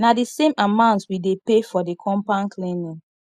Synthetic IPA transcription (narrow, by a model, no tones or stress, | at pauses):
nadisẽmamãʊ̃ntswidepefɔdikʰɔ̃mpãnkʰlɛ̃nĩ